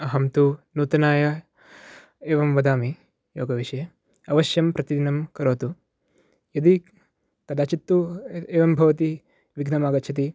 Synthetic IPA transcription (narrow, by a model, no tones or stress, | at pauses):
ɐɦɐmt̪unuːt̪ɐnaːjɐ | eːʋɐmʋɐd̪aːmi | joːɡɐʋiʂɐjɐ | ɐʋɐʃjɐmpɾɐt̪id̪inɐmkɐɾoːt̪u | jɐd̪i | k̪ɐd̪aːt͡ʃit̪ːueːʋɐmbʱɐʋɐt̪i | ʋiɡnɐmaːɡɐt̪ːt͡ʃʰɐt̪̬i